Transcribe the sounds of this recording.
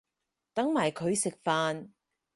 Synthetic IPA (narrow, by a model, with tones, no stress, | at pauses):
t̪ɐ˨˥ŋmaː˨˩jkʰɵ˨˧ɥsɪ˨k̚faː˧n